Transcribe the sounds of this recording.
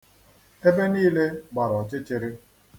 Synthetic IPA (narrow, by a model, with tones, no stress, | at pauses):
e˦be˦niː˦le˦ɡ͡ba˨ɾɔ˨t͡ʃe˦t͡ʃe˨ɾe˦